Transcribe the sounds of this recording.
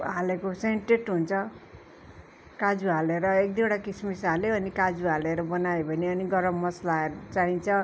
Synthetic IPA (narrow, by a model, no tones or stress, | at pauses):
ɦalekoseɳʈeʈɦunt͡sʰʌ | kad͡zuɦaleɾʌek̚d̪ioɽakismisaleʌnikad͡zuɦaleɾʌbʌnaebʱʌniʌniɡʌɾʌmːʌslaeɾʌt͡saɦint͡sʰʌ